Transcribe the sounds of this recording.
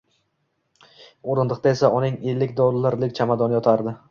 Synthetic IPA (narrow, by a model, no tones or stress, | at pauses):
oɾɪnd̪ɨq̚t̪ae̞saʔʊnɪŋe̞lːɪkʲd̪ɒɾlaɾlɪkʲt͡ʃʰamad̪ɒnɪjɒt̪ʰaɾd̪ɪ